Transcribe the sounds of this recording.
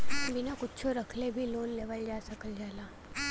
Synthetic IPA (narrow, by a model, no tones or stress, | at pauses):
binakʊtːt͡ʃʰoɾɐkʰlebʱiloːnleːʋəld͡ʒaːsɐkəld͡ʒaːlaː